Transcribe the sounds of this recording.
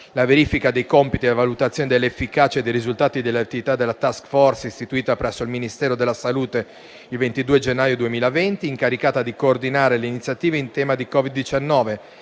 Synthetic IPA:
laveɾiːfikad̪ejkɔmpit̪ievalut̪at̪sːjoːned̪elːeefːikaːt͡ʃed̪ejɾizult̪aːt̪id̪elːeat̪ːivit̪ad̪elːat̪askfɔrsist̪it̪uiːt̪apɾɛsːoilminist̪ɛːɾod̪elːasaluːt̪e | ilvent̪id̪uːed͡ʒenːaːjod̪uemiːlavɛnt̪iːŋkaɾikaːt̪ad̪ikoːrd̪inaːɾeleinit̪sːjat̪iːveint̪ɛːmad̪ikɔvid̪ːit͡ʃanːɔːve

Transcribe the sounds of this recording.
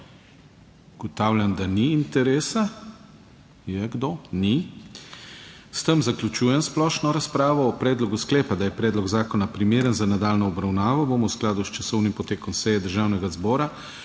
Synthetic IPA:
uɡ̥ɔt̪awljand̪aniːnt̪ɛɾeːsa | jɛɡd̪oni | st̪əmzaklʲut͡ʃuːjɛnsplɔʃnɔɾaspɾaːʋɔːpɾɛːd̪lɔɡusklɛːpad̪ajɛpɾɛːd̪lɔɡzaːkɔnapɾimeːɾənzanad̪aːlnɔɔbɾawnaːʋɔboːmɔwsklaːd̪ust͡ʃasɔwnimpɔt̪eːkɔmsɛjɛd̪əɾʒawnɛɡazbɔːɾa

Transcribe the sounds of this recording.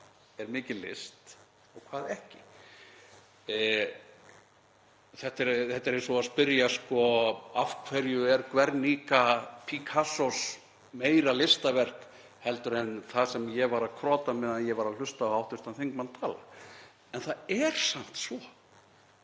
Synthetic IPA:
ɛɾmɪːcɪlɪ̰st̪ | ɔɣkʰvaːðɛhcɪ | θɛht̪ɛɾθɛt̪ːɛɾɛsɔaðspɪɾjaskɔafkʰvɛɾjʏɛɾkvɛɾniːkapʰikʰasɔs | meːjɾalɪst̪avɛr̥k | hɛlt̪ʏɾɛnθasɛmjɛvaɾaðkʰɾɔːt̪amɪðanjɛvaɾaðl̥ʏst̪aawht̪ʏ̥st̪anθeŋkmant̪ʰaːla̰ | ɛnθaðɛɾ̥sam̥t̪svɔ

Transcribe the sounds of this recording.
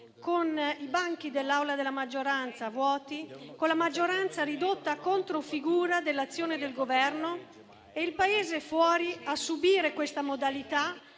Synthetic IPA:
konibaŋk̟id̪elːawlad̪elːamad͡ʒːoɾant̪savwɔːt̪ikonlamad͡ʒːoɾant̪saɾid̪ot̪ːakont̪ɾofiɡuːɾad̪elːat̪sːjoːned̪elɡovɛrno | eilpaeːzefwɔːɾiasːubiːɾekwest̪amod̪alit̪a

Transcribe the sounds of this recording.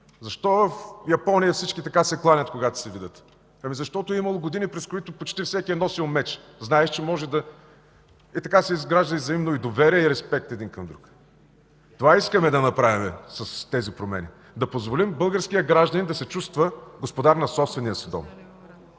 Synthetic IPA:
zɐʃt̪ɔvəfjɐpɔnijɐfsit͡ʃkit̪ɐkasɛklˠanʲət̪koɡat̪ʊ̥sɛvid̪ət̪ | ɐmizɐʃt̪ɔt̪ʊɛimɐlˠoɡod̪inipɾɛskoit̪ʊpot͡ʃt̪ifsɛkʲiɛnɔsilˠmɛt͡ʃ | znaɛʃt͡ʃɛmɔʒɛd̪ɐ | it̪ɐkasɛizɡɾaʒd̪ɐizɐimnoid̪ovɛɾiɛiɾɛspɛk̚t̪ɛd̪inkɐmd̪ɾuk | t̪ovaiskəmɛd̪ɐnɐpɾavimɛsɐst̪ɛzipɾomɛ̰nḭ | d̪ɐpozvolimbɤlˠɡəɾskiəɡɾaʒd̪ɐnind̪ɐsɛt͡ʃust̪vəɡospod̪aɾnɐsɔpst̪vɛniəsɛd̪ɔ̰m

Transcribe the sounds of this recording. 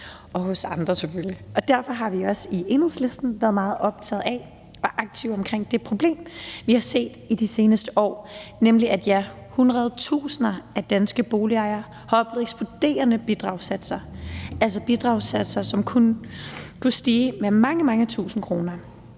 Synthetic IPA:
ɒ̽hɔ̽sɑ̈nd̥ʁɐsefølliʔɒ̽d̥æɐfɒ̽ɦɑ̈ʋiɒ̽sie̝nheðˠsle̝sd̥n̩ʋæɐð̩ˠmɑ̈ːð̞̩ˠɒ̽b̥̚t͡sʰɛ̰ð̩ˠæ | ɒ̽ʔɑ̈ɡ̥̚t͡sʰiʊɒ̽mkʰʁeŋ̰d̥e̝pʰʁo̝b̥le̝̰ːmʋihɑ̈se̝̰ːd̥id̥ise̝ːnəsd̥əʔɒ̰ːnemliæd̥jæ | hunʁɐð̞ˠt͡sʰṵːsənɐæd̥ænsɡ̥əb̥o̝ːliɑ̈ɪɐ | hɒ̽b̥lð̩ˠeɡ̥sb̥od̥e̝̰ːɐnəb̥id̥ʁɑ̈ʊsæd̥sɐæls̬ɐb̥id̥ʁɑ̈ʊsæd̥sɐsɒ̽mkʰunkʰusd̥iːmemɑ̈ŋəmɑ̈ŋət͡sʰṵːsn̩kʰʁo̝ːnɐ

